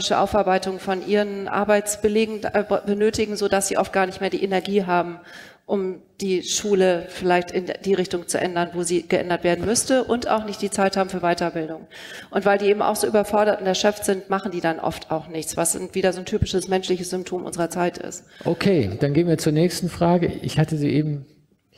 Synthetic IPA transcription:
ɪʃəʔa̰ʊfaɐbaɪtʊŋfɔnʔiːʁənʔa̰ɐbaɪt͡sb̥əleːɡŋ̩bənøːtɪɡŋ̩zoːdasz̥iːʔɔft̚ɡ̥aːɐnɪçtmeːɐdiːʔenɛɐɡiːɦaːbm̩ | ʔʊm | d̥iːʃuːləfɪlaɪçtɪnd̥iːʁɪçtʊŋt͡sṵʔɛ̰ndɐnvoːziːɡ̥əʔɛ̰ndɐtv̥eːɐdn̩mʏstəʔʊnta̰ʊxnɪçt̚d̥iːt͡saɪthaːbm̩fyːɐvaɪtɐbɪldʊŋ | ʔʊntv̥aɪldiːʔeːbm̩ʔa̰ʊxz̥oːʔyːbɐfɔɐɾɐtʊntɛɐʃœpp͡fftz̥ɪntmaχn̩diːdanʔɔ̰ftʰa̰ʊxnɪçt͡sv̥asnviːdɐzoːntʰyːpɪʃəsmɛnʃlɪçəsz̥ʏmptʰoːmʔʊ̰nzəʁɐt͡saɪtɪ̰stʔokʰeːd̥anɡeːənviɐt͡suːɐnɛːçstn̩fʁ̥aːɡəʔɪ̰çhatəzḭːʔeːbm̩

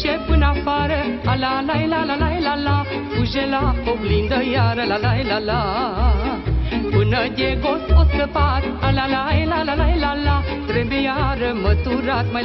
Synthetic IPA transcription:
ɕepunafaɾ | alalajlalalajlala | pud͡ʑelapəwlind̪əjaɾəlalajlala | punəɡ̪eɡosposk̪əpaɾ | alalajlalalajlala | ɾebejaɾmət̪uɾat̪məj

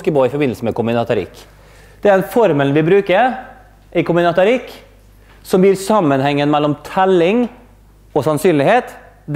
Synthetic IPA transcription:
kəboːɪfɔɾbɪnl̩səmɛkʊmɪnɑt̪ʰɑɾɪ̰kː | d̪̥ɛæɾɛnfɔɾmɛlnʋɪbɾʉːkəɾ | ʔɪkʰʊmɪnɑt̪ɑɾɪkː | sɔmb̪iːɾsɑmːənhɛŋːənmɛlːɔmt̪ʰɛlːɪŋ | ɔsɑnsyːnlɪheːt̪ | d̪

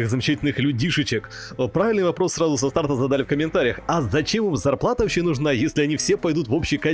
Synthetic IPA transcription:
xzəmʲɪt͡ɕætʲɪlʲnɨxlʲud̚ʲdʲiʂɨt͡ɕɪk | pɾavʲɪlʲnɨjvɐpɾo̞sːrazʊsɐst̪art̪əzad̪alʲɪfkəmʲɪnt̪aɾʲɪjəxɐzɐt͡ɕemɨmzɐrplˠat̪əɕejnʊʐnajesʲlʲɪɐnʲifsʲepɐjd̪ut̪vo̞pɕːɪka

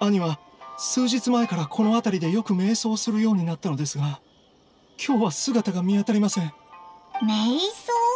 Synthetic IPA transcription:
aɲ̟iβa | sɨːʑit͡sɨmae̞kaɾakʰo̞no̞at̪aɾʲid̪e̞jo̞kɯ̟me̞ːso̞ːsɨɾɯ̟jo̞ːɲ̟inat̪ːano̞d̪e̞sɨɡa | kʲʰo̞ːβasɨɡat̪aɡamʲiat̪aɾʲimasẽ̞ɴ | mesoː

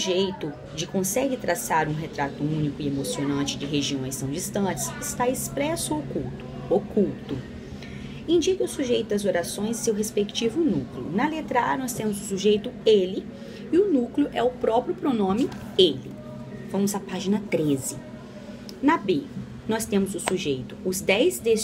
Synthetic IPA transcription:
ʒejt̪ʊ | d͡ʒɪkõsɛɡɪt̪ɾasaɾũɦet̪ɾat̪ʊũnikʊɪemosionɐ̃t͡ʃɪd͡ʒɪɦeʒiõj̃st̪ɐ̃w̃d͡ʒist̪ɐ̃t͡ʃɪsɪst̪aespɾɛsʊokuwt̪ʊ̥ | okuwt̪ʊ | ĩd͡ʒikɐʊsuʒejt̪ʊd̪ɐzoɾasõj̃zsewɦespekt͡ʃivʊnuklɪʊ̰nɐlet̪ɾaɾnɔst̪ẽmʊzʊsuʒejt̪ʊelɪ | ɪʊnuklɪʊʔɛʊpɾɔpɾjʊpɾonõmɪ | elɪ̰ | vɐ̃mʊzapaʒinɐt̪ɾezɪ | nɐbe | nɔst̪ẽmʊzʊsuʒejt̪ʊ̥ʊzd̪ɛjzd̪e

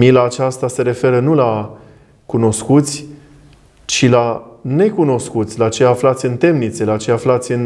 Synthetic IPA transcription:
milaːt͡ʃast̪ase̞ɾe̞fe̞ɾənula | kuno̞skut̪sʲ | t͡ʃilane̞kuno̞skut̪sʲlat͡ʃe̞jaflat̪sʲɨnt̪e̞mnit̪se̞lat͡ʃe̞jaflat̪sʲɨn

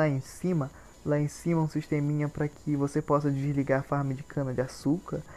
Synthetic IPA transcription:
aẽsĩmɐ | laẽsĩmɐũsiʃt̪ẽmĩɲɐpɾɐkʰɪvosepɔsɐd͡ʒizliɡaɾfaɾmid͡ʒɪkʰɐ̃nɐd͡ʒɪasukɐɾ

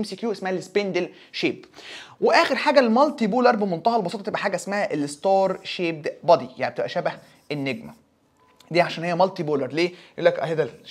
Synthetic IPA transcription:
emsiːkjuːʔesmæhælespend̪el | ʃeːbweʔæːxeɾħaːɡælmɑlt̪iboːlɑɾˤbemont̪ɑhɑlbɑsˤoːt̪ˤt̪eʔæħaːɡæʔesmæhæʔelest̪ɑːɾˤʃeːb̚d̪bɑd̪ija̰ʕnib̚et̪ebʔæʃæbæh | enːeɡmæ | d̪iːʕaʃæːnhejːæmɑlt̪iboːlɑɾˤleːjʔuːlːækʔæ̰hed̪æ

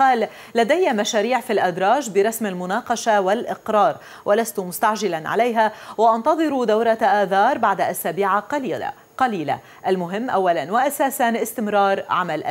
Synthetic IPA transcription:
qɑːlː | ad̪ajːamaʃaːɾiːʕfilʔad̪ɾˤɑːʒbɪɾˤɑsmalmʊnɑːqɑʃawalʔɪqɾˤɑːɾˤ | wʔalast̪ʊmʊst̪aʕʒɪlanʕa̰lajɦawɪʔɑnt̪ɑðˤɨɾud̪awɾˤɑʔaːθɑːɾˤbaʕd̪aʔasaːbiːʕaqː | qɑliːla̰ | ʔalmʊɦɪmːʔawːalanwaʔasaːsanʔɪst̪ɪmɾɑːɾˤʕamalʔa

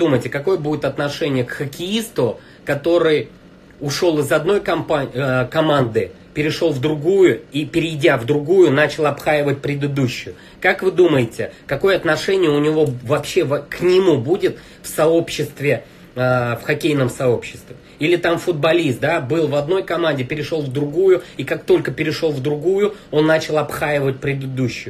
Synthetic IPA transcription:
d̪uməjtʲɪkɐko̞jəbudʲɪt̪ɐt̪nɐʂɛnʲɪjəkxəkʲɪist̪ʊ | kɐt̪o̞ɾɨj | ʊʂo̞lˠɨzɐd̪no̞jkɐmpakɐmand̪ɨ | pʲɪɾʲɪʂo̞lˠvd̪ɾʊɡujʊipʲɪɾʲɪjdʲavd̪ɾʊɡujʊnat͡ɕɪlˠɐpxajɪvət̚ʲpɾʲɪd̪ɨd̪uɕːʊjʊ | kakvɨd̪uməjɪtʲɪkɐko̞jəɐt̪nɐʂɛnʲɪjəʊnʲɪvo̞vɐpɕːe̞vɐknʲɪmubudʲɪt̪ | fsɐo̞pɕːɪst̪vʲɪ | əfxɐkʲejnəmsɐopɕːɪ̥st̪vʲɪ | ilʲɪt̪amfʊd̪̚bɐlʲist̪̚d̪abɨlˠvɐd̪no̞jkɐmanʲdʲɪpʲɪɾʲɪʂo̞lˠvd̪ɾʊɡujʊikak̚t̪o̞lʲkəpʲɪɾʲɪʂo̞lˠvd̪ɾʊɡujʊo̞nːat͡ɕɪlˠɐpxajɪvət̚ʲpɾʲɪd̪ɨd̪uɕːʊjʊ

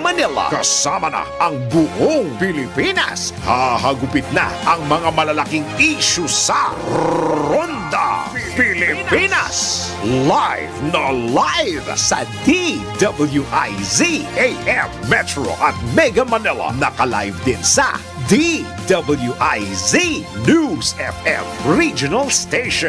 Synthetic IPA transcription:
mɐnɛlɐ̰kɐsamɐnɐ̰ʔɐŋbʊʔoŋpɪlɪpinɐ̰shahɐɡʊpɪt̪̚nɐ̰ʔɐŋmɐŋamɐlɐlɐkiŋiʃʊsɐ | ɾond̪ɐ̰pilɪpinɐs | lajvnɐlajvsɐ̰d̪id̪ɐbɐljuʔajziʔejʔɛfmɛt̪ɹo̰ʔɐt̪̚mɛɡɐmɐnɛlɐ̰nɐkɐla̰jvd̪ɪnsɐ̰ | d̪i | d̪ɐbɐljuʔajzinusɛfɛfɹid͡ʒʊnɐlst̪ejʃɔ̃

